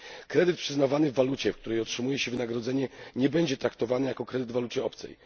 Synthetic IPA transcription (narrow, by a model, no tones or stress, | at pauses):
kɾɛd̪ɘt̪̚pʂɘznavanɘvːalut͡ɕɛfkt̪uɾɛjɔtʂɘmujɛɕɛvɘnaɡɾɔd̪zɛɲɛɲɛbɛɲd͡ʑɛt̪ɾakt̪ɔvanɘjakɔkɾɛd̪ɘd̪valut͡ɕɛɔpt̪sɛ̰j